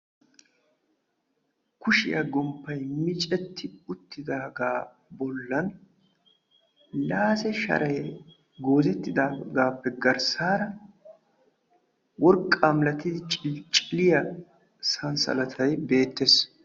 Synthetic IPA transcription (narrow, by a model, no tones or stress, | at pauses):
kʊʃɪ̰jɐɡɔmpːɐjmɪt͡ʃʼɛt̪ʰːɪʊt̪ːɪd̪aːɡaː | bɔlːɐn | laːsɛʃɐ̰ɾʔɐj | ɡo̞ːzɛt̪ːɪd̪aːɡaːpːɛɡɐɾsaːɾɐ | wɔɾkʼːamlɐt̪ːɪd̪ɪt͡ʃʼt͡ʃʼɪlɪjɐ | sɐnsɐ̰lɐt̪ʰɐjbe̞ːt̪ːes